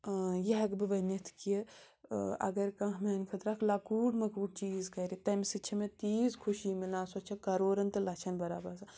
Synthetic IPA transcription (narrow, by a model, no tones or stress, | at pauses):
jiɦɐkbɨʋɐnɐt̪ʰki | ɐ̰ɡɐɾkɐ̃ɦmenkʰɐt̪ɾaːkʰlakuːɖmɐkuːɽ̚t͡ʃiːzkɐɾit̪ɐmsit͡ʃʰɐmẽt̪iːzkʰuʃiːmilaːsot͡ʃʰɐkɐɾoːɾɐnt̪ɨlɐt͡ʃʰɐnbɐɾa̰ːbɐɾsa